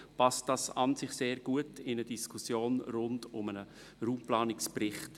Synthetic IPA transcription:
pɑst̚d̥ɑːsɑnzɪχseːɾɡ̥uətɪnədiskʰʊsjoːnɾʊndʊmənə | ɾuːmplɑːnɪkspɾɪχt

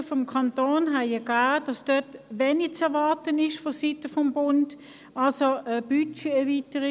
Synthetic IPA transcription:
fɔmkʰɑntoːnɦaɪəɡ̥aːd̥ɑsd̥œtʋeːnit͡sɛɐʋɑɐtənɪʃfɔsitəfɔmbʊnd | ʔɑlsoəb̥yt͡ʃeɛɐʋitəʁi

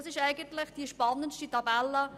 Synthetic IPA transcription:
sɪʃæɪɡənt̪lɪχd̥iʃpɑnːənʃtitɑbɛlːə

